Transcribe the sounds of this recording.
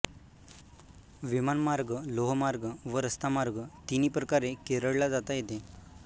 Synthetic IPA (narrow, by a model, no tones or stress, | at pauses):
ʋimanmaɾɡəloɦmaɾɡəʋəɾəst̪amaɾɡət̪iniːpɾəkaɾekeɾəɽlad͡zat̪ajet̪e